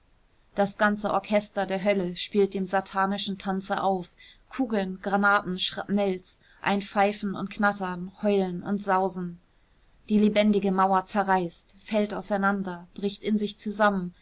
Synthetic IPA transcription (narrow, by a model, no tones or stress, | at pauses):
d̥asɡ̥ant͡səʔɔɐkʰɛstɐdeːɐɦœləʃpiːlt̚d̥eːmzatʰaːnɪʃn̩tʰant͡sɐʔaʊf | kʰuːɡl̩nɡ̥ʁanaːtn̩ʃʁ̥anɛls | ʔa̰ɪnfaɪfn̩ʊ̰ntkʰnatɐnhɔʏlənʊ̰ntz̥aʊzn̩ | d̥iːlebɛndɪɡəmaʊɐt͡sɛɐʁaɪstfɛltaʊsaɪnandɐb̥ʁɪçtɪnzɪçt͡suzamən